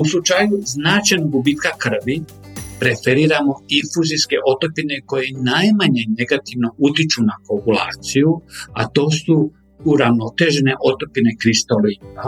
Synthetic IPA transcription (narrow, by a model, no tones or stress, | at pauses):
uslut͡ʃajuznaːt͡ʃajnoɡubiːt̪kakr̩ʋi | pɾe̞feɾiːɾamo̞infuziske̞ʔo̞t̪o̞pine̞ko̞jenajmaɲene̞ɡat̪iʋno̞ut̪it͡ʃunapopula̰ːt̪sijuat̪o̞ːsu | uɾaʋno̞t̪e̞ʒene̞ʔo̞t̪o̞pine̞kɾist̪olia